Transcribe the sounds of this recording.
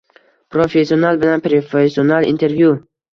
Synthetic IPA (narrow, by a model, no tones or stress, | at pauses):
pɾofesːionalˠbɪlanpɾofesːionalˠḭnt̪ʰe̞ɾvju